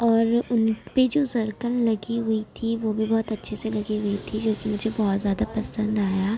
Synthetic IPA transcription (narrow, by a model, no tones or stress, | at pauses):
ɔːɾʊnped͡ʒoːzɐɾkənlɐɡiɦʊit̪ʰiʋoːbʱibɔːt̪ɐtːʃʰeselɐɡiɦʊit̪ʰid͡ʒoːkimʊd͡ʒʱebɔːt̪zjaːd̪apɐsə̃nd̪aːjaː